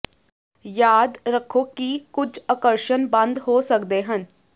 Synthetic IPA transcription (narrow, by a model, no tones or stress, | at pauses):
jaːd̪ɾəkʰːoːkikʊd͡ʒəkəɾʃənbə̃nd̪ɦoːsəkd̪eːɦən